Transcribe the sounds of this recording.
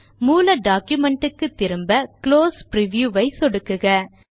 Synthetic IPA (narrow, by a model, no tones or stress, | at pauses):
muːlɐɖaːkjʊmɛɳʈɯkːɯt̪ːɪɾɯmbɐkloːspɪɾɪʋjuːʋɐɪsɔɽɯkːɯɣɐ